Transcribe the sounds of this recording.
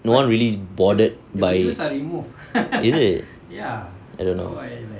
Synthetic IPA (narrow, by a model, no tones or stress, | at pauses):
nowãnɹilisbɔdət̚bajsɹimuv | isit | ja | ajdõnːo̰